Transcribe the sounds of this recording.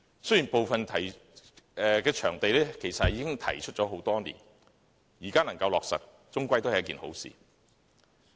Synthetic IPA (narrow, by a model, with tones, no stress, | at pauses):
sɵ˥jiː˨˩npo˨wfɐ˨nt̪ʰɐ˨˩j | ɛː˨kɛː˧t͡ʃʰœː˨˩ŋt̪e˨jlɛː˥kʰe˨˩jsɐ˨t̚jiː˨˧˥kɪ˥ŋt̪ʰɐ˨˩jt͡ʃʰɵ˥t͡ʃɔː˨˥ɦo˨˥wt̪ɔː˥nḭː˨˩n | jiː˨˩kaː˥nɐ˨˩ŋkɐ˧wlɔː˨k̚sɐ̰˨t̚ː | ʊ˥ŋkʷɐ˥jt̪o˥whjɐ˥kiː˨nho˨˥wsḭː˨